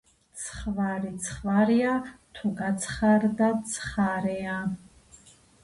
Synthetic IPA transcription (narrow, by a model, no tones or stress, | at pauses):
t͡sʰχvarit͡sʰχvarijatʰukʼat͡sʰχardat͡sʰχaɾeja